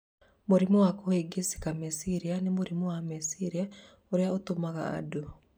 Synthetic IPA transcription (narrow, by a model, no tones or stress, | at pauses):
moɾimowakoeɡesi̥kamesiɾianemoɾimowamesiɾiɛ | oɾeaotomaɣa̰ːdo